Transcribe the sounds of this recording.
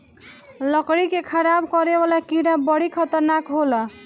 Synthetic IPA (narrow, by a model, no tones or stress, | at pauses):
lʌkɽikekʰʌɾabkʌɾebalakiɽabʌɽikʰʌt̪ʌɾnakɦolʌ